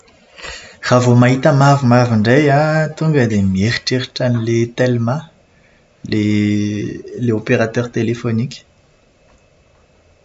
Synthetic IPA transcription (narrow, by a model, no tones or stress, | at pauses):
r̥avomaɦit̪amavumaviɳɖ͡ʐejat̪uŋɡəd̪emieʁiʈ͡ʂeʁiʈ͡ʂanilet̪elma | le | leopeʁat̪œʁt̪elefonikʲə̥